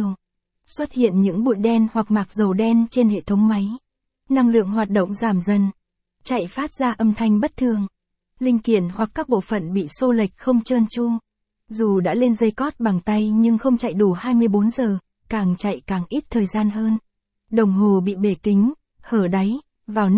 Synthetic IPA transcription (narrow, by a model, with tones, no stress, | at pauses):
swə˦˥t̚hḭ˧˨ənɲɨ̰˧˥ŋɓṵ˧˨jɗɛ˧nhwa˨˩k̚maː˨˩k̚zə˨˩wɗɛ˧nt͡ɕe˧nhḛ˧˨t̪ʰə˨˦wŋ͡mma˨˦j | na˧ŋlɨ̰˧˨əŋɦwaː˨˩t̚ɗo̰˧˨wŋ͡mzaː˧˩mzə˧˩n | t͡ɕa̰˧˨jfaː˦˥t̚z̥aː˧ʔə˧mt̪ʰa˧jŋ̟ɓə˦˥t̚t̪ʰɨ˨˩əŋ | lï˧ŋ̟ki˧˨ənhwa˨˩kːaː˦˥k̚ɓo̰˧˨fə̰˧˨nɓḭ˧˨so˧lï˨˩k̟̚xə˧wŋ͡mt͡ɕəː˧nt͡ɕʊ˧ŋ | zu˨˩ɗa̰ː˧˥le˧nzə˧jkɔ˦˥t̚ɓa˨˩ŋt̪a˧jɲɨ˧ŋxə˧wŋ͡mt͡ɕa̰˧˨jɗu˧˩haː˧jmɨ˧əjɓo˨˦nzəː˨˩ | kaː˨˩ŋt͡ɕa̰˧˨jkaː˨˩ŋʔi˦˥t̚t̪ʰəː˨˩jzaː˧nɦəː˧n | ɗə˨˩wŋ͡mɦo˨˩ɓḭ˧˨ɓe˧˩kï˨˦ŋ̟ | həː˧˩ɗa˨˦j | vaː˨˩w